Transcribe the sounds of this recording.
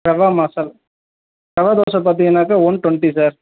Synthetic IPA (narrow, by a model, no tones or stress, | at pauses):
pɾɐʋaːmaːsɐl | pɾɐʋaːd̪oːsɐp̬ːaːt̪̬iŋɐnaːkɐɔnʈɔɳʈisaːɾ